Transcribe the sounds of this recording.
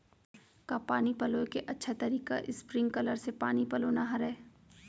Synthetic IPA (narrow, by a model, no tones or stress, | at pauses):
kapaːnipɐloːekeʔɐtːʃʰat̪ɐɾiːka̰ʔɪspɾɪ̃ŋɡkɐləɾsepaːnipɐloːnaɦɐɾɛː